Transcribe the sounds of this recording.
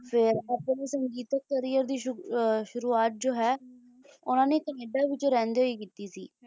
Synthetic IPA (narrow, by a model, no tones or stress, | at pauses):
pʰɪɾəpneːsəŋɡiːt̪ək̚ːəɾɪjəɾd̪iːʃʊɾuːaːt̪̚d͡ʒoːɦɛː | ʊnãːneːt̪əneːɖaːʋɪt͡ʃɾɛ̃ːnd̪eːɦoiːkiːt̪iːsḭː